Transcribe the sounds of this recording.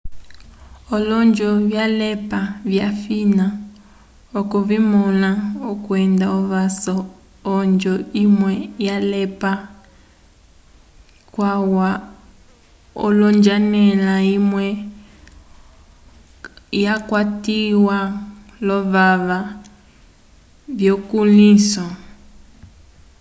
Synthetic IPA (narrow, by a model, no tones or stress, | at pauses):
ɔlɔnd͡ʒɔβjalɛpavjafina | ɔkɔβimɔnaɔkwɛndaɔβasɔː | nd͡ʒɔimwɛjalɛpa | kwawa | ɔ̰lɔɲd͡ʒanɛlaimwɛ | jakwatiwa | lɔβaβa | βjɔkulisɔ